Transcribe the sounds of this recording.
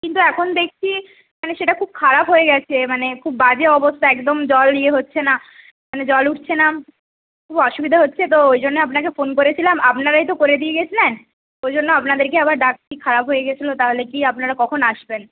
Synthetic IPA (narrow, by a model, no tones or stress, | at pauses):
kint̪uɛkʰond̪ek̚ʰt͡ɕʰi | maneʃeʈakʰub̚kʰaɾapɦoeɡɛt͡ɕʰemanekʰubːad͡ʑeɔbost̪aɛkd̪omd͡ʑɔlːieɦotːɕʰena | maned͡ʑɔluʈt͡ɕʰena | kʰubɔʃubid̪ʱaɦotːɕʰet̪oojd͡ʑonːeapnak̬efonkoɾet͡ɕʰilamapnaɾajt̪okoɾed̪ieɡet͡ɕʰilen | ojd͡ʑonːoapnad̪eɾkeabaɾɖak̚ʈikʰaɾapɦoeɡet͡ɕʰilot̪aɦolekiapnaɾakɔkʰonaʃben